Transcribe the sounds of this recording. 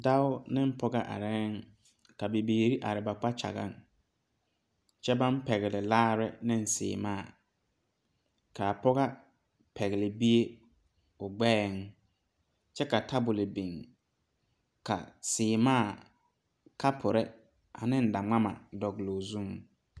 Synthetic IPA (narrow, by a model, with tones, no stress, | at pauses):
da˦ʊ˦nɪ˦m̩˦pʰɔ˦ɡa˦ʔa̰˨ɾɛ˦ŋ | ka˨be˨beː˨ɾi˦ʔa̰˨ɾɪ˨ba˨k͡pa˦t͡ʃa̰˨ɣa̰˦˨ŋ | t͡ʃɛ˦ba˦m˦pɛ˨ɣɪ˨lɪ˨laː˦ɾɪ˦nɪ˦n˦sɪ̰ː˨maː˦˨ | ka˨pɔ˦ɣa˦ | pʰɛ˨ɣɪ˨lɪ˨bi˦e˦ | ʊ˨ɡ͡bɛː˦ŋ | t͡ʃɛ˦ka˨tʰa˦bʊ˨lɪ˨bi˨ŋ | ka̰˨sɪː˨maː˦˨ | ka˦pʰʊ˨ɾɛ˦ | a˨nɪ˦n̩˦da˨ŋ͡ma˦ma̰˨dɔ˨ɡlo˨zũ˦ŋ